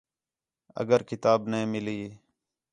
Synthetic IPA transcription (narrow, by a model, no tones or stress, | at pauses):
ə̰ɡəɾkɪt̪aːbnəĩːmɪliː